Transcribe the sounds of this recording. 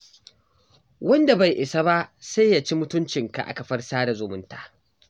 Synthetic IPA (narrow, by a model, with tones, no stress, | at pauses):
wɐ˦nda˨ba˨jʔɪ˨sa˦ba˦ʔsa˦jːa˨t͡ʃi˦mʊ˦tʊ˦nt͡ʃɪ˨ŋka̰˨ʔa̰˨kɐ˨ɸɐ˦rsaː˦da˨zʊ˨mʊ˦ntaː˨ʔ